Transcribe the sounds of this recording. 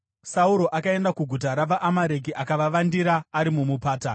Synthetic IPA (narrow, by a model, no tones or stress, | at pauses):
sauɾo̞ʔakae̞ndakuɡʱutaɾaʋaʔamaɾe̞k̬iʔakaʋaʋandiɾaːɾimumupaːta